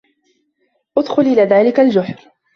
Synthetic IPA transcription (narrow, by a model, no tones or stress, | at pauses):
ʔʊd̪xʊlʔɪlaːðaːlɪkald͡ʒʊħɾ